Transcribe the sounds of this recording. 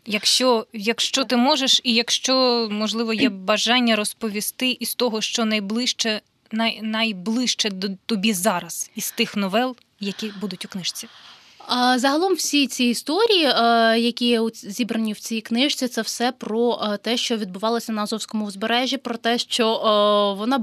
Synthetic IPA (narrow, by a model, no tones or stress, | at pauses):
jɐkʃt͡ʃɔjɐkʃt͡ʃɔt̪ɪmɔʒeʃijɐkʃt͡ʃɔmɔʒlˠɪʋɔjɛbɐʒɑnʲːɐɾɔspɔʋʲist̪ɪʔist̪ɔɦɔʃt͡ʃɔnɐjblˠɪʃt͡ʃɛ | nɐjnɐjblˠɪʃt͡ʃɛd̪ɔt̪ɔbʲizɑɾɐsist̪ɪxnɔʋɛlˠ | jɐkʲibud̪ʊtʲʊknɪʃt͡sʲi | zɐɦɐlˠɔmwsʲit͡sʲiːst̪ɔɾʲijijɐkʲijɛʊzʲibɾɐnʲiwt͡sʲijiknɪʃt͡sʲit̪sɛwsɛpɾɔt̪ɛʃt͡ʃɔʋʲid̪̚bʊʋɑlˠɔsʲɐnɐɐzɔwsʲkɔmʊzbeɾɛʒʲːipɾɔt̪ɛʃt͡ʃɔʋɔnɑ